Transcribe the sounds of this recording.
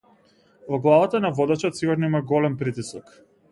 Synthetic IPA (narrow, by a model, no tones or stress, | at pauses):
vɔɡlˠavat̪anavɔd̪at͡ʃɔt̪siɡuɾnɔimaɡɔlɛmpɾit̪isɔk